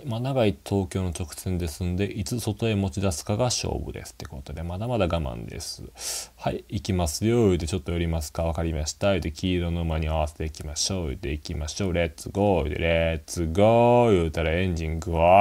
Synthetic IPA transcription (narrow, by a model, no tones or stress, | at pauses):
manaɡait̪ʰo̞ːkʲo̞ːno̞t͡ɕo̞kɯ̟̥sẽ̞nd̪e̞sɨ̃nod̪e̞ʔit͡sɨso̞t̪o̞e̞mo̞t͡ɕid̪asɨ̥kaɡaɕo̰ːbɯ̟̰d̪e̞sɨ̥t̪ːe̞ko̞t̪o̞d̪e̞mad̪amad̪aɡamã̰nd̪e̞̰sɨhaiikʲimasɨjojɯ̟t̪ːe̞t͡ɕo̞t̪ːo̞joɾʲimasɨ̥kaβakaɾʲimaɕi̥t̪ajɯ̟t̪ːekʲʰiːɾonoɯ̟maɲ̟iaβ̞ase̞̥t̪e̞ikʲimaɕo̞ːɯ̟̰t̪ːe̞ikʲimaɕo̞ːɾet͡sɨɡot̪ːḛɾet͡sɨɡojɯ̟ːt̪aɾaẽ̞ɲ̟d͡ʑĩŋɡɯ̟βa